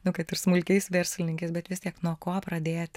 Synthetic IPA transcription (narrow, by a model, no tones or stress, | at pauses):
nʊkɐt̪ɪrsmʊlʲkʲɛɪsʋʲɛɾʲsʲlʲɪnʲɪŋkʲɛɪsbʲɛt̪ʋʲɪsʲt̪ʲiɛknuɔkoːpɾɐd̪ʲeːt̪ʲ